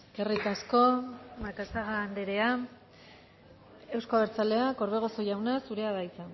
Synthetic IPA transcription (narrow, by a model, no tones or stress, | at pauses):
kerik̪asko̞maɾkasaɣaːnd̪e̞ɾe̞a | e̞wskoaβeɾt͡sale̞ako̞ɾβe̞ɣ̞o̞so̞jawnasuɾe̞aðajt͡san